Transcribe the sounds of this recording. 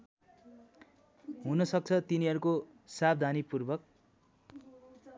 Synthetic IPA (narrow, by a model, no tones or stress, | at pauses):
ɦunʌsʌk̚t͡sʰʌt̪iniɦʌɾuko | sab̚d̪ʱanipurbʌk̚